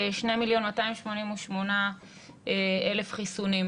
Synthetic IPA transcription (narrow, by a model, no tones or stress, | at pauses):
ʃnemiljo̞nmataimʃmo̞nimuʃmona | eele̞fχisunim